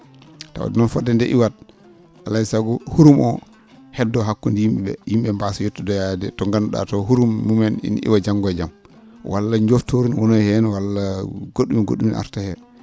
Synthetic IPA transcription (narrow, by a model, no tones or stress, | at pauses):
ta̰wa̰dnɔnfɔdɛndɛʔiwat̚ | ʔalaisaɡɔhuɾumʔɔ̰ | hɛdːɔɦakːundijimɓɛɓɛ̰jimɓɛmbasɔjotːɔdɔjadɛtɔŋɡanɗa̰tɔɦuɾumːumɛnḭnḭwad͡ʒaŋɡɔd͡ʒam | wʔa̰lːaɲd͡ʒoftoɾunwɔnɔhɛnwalːaɡoɗːumiɡo̰ɗumina̰ɾtahɛ